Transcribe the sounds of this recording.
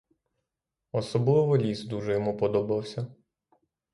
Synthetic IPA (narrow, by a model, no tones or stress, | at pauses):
ɔsɔblˠɪʋɔlʲisd̪uʒɛjɔmupɔd̪ɔbɪwsʲɐ